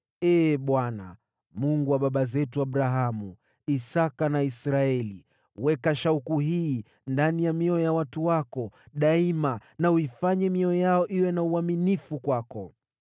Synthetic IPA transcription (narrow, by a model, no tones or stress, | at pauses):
ɛːɓwana̰ | muŋɡuwaɓaɓazɛtuaɓɾaɦamu | isakanaisɾaɛli | wɛkaʃaukuɦiː | ndanijamiɔɔjawatuwakɔɗaimanauifaɲɛmiɔɔjaɔʔiwɛnauaminifukwakɔ